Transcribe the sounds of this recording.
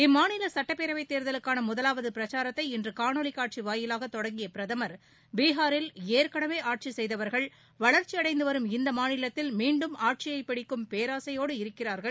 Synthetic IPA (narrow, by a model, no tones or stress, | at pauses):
ɪmːaːnɪlɐsɐʈːɐpːeːɾɐʋɐɪt̪ːeːɾðɐlɯkːaːnɐmʊðɐlaːʋɐðɯpɪɾɐt͡ʃaːɾɐt̪ːɐɪɪndrɯkaːɳoɭɪkːaːʈ̚t͡ʃiʋaːjɪlaːɣɐt̪ːɔɽɐŋɡɪjɐpɪɾɐðɐmɐɾ | biːɦaːɾɪleːɾkɐɽɐmeːaːʈ̚t͡ʃisɛjðɐʋɐɾɣɐɭ | ʋɐɭɐɾt͡ʃiɐɽɐɪnd̪ɯʋɐɾɯmɪnd̪ɐmaːnɪlɐt̪ːɪlmiːɳɖɯmaːʈ̚t͡ʃɪjɐɪpːɐɽɪkːɯmpeːɾaːsɐjoːɽɯɪɾɯkːɪraːɾɣɐɭ